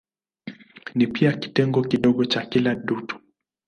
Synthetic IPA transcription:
nipiaki̥tɛŋɡɔkiɗɔɡɔt͡ʃakilaɗutu̥

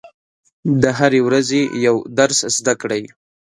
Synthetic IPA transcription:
d̪əɦaɾewɾazejawd̪aɾszd̪akɽaj

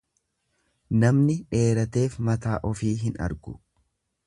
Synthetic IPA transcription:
nɐmnɪᶑe̞ːɾɐt̪e̞ːfmɐt̪aːʔɔfiːɦɪnɐ̰ɾɡʊ̰

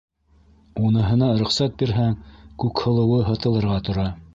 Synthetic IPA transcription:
unɤ̆ɦɤ̆nɑɾŏχsæt̪̚biɾɦæŋkʉkhɤ̆lˠɤ̆wɤɦɤ̆t̪ɤ̆lˠɤ̆ɾʁɑt̪ŏɾɑ

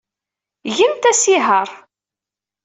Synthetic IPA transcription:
ʝimt̪æsiɦəɾˤ

